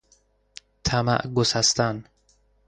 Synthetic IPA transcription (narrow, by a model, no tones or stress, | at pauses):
t̪ʰama̰ʔɡosast̪an